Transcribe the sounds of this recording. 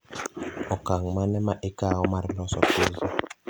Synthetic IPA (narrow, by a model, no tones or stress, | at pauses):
ɔkaŋmanɛmaʔekaɔmaɾilɔsɔ̰pezi